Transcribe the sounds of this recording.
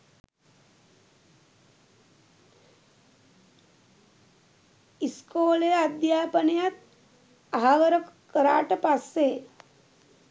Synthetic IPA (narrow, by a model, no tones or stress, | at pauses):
iskoːlejad̪jaːpənejat̪̚ | aɦaʋəɾəkkəɾa̰ːʈəpasːe